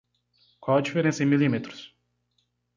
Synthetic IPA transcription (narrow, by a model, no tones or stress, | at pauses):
kwawɐd͡ʒifeɾẽsɐẽmilimet̪ɾʊ̥s